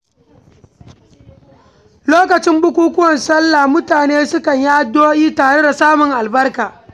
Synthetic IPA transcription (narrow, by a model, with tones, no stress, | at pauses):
loː˦kɐ˨t͡ʃɪ˦mbʊ˦kʷuː˦kʷʊ˦wɐ˨nsɐ˦lːa˨mʊ˦taː˨neː˦sʊ˦kɐ˨ɲja˦doː˦jiː˦taː˨ɽe˦da˨saː˦mʊ˨ŋʔa˨lbɐ˦rkaː˨